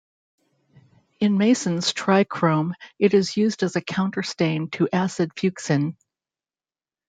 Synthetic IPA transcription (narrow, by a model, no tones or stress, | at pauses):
ɨ̃nmeɪsɨ̃n̩z̥tʰɹ̥aɪkʰɹ̥õʊ̃mɨɾɨzjʉzdɨzɨkʰãʊ̃ntə˞stẽɪ̃ntʰɨʔæsɨd̥fjʉksɨ̃n